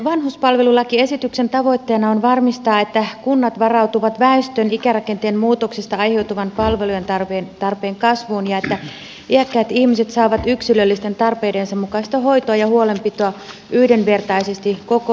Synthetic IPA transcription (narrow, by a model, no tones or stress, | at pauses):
ʋɑnhuspɑlʋe̞lulːɑkie̞sit̪ykse̞nt̪ɑʋo̞jt̪ːe̞ːnɑonʋɑrmist̪ɑːet̪ːækunːɑt̪ʋɑrɑwt̪uʋɑt̪ʋæist̪ønikærɑke̞nt̪eːmmuːt̪oksist̪ɑɑjhe̞wt̪uʋɑnpɑlʋelujent̪ɑrʋent̪ɑrpe̞ːŋkɑsʋuːnjɑet̪ːæ | ʔiækːæːt̪ihmise̞t̪sɑːʋɑt̪yksilølːist̪e̞nt̪ɑrpe̞ːdensɑmmukɑist̪ɑɦo̞jt̪oɑjɑhuole̞mpit̪oɑ | yhde̞nʋe̞rt̪ɑisest̪iko̞ko